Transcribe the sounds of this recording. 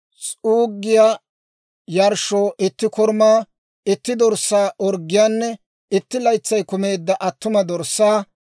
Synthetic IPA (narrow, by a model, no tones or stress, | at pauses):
sʼuːɡːɪjaː | jɐɾʃoːʔɪt̪ːɪkɔɾmaː | ɪt̪ːɪd̪ɔɾsːaːʔɔɾɡːɪjaːnːɛ | ɪt̪ːɪlɐjt͡sːɐjkʊme̞ːd̪ːɐʔɐt̪ːʊmɐd̪ɔɾsːaː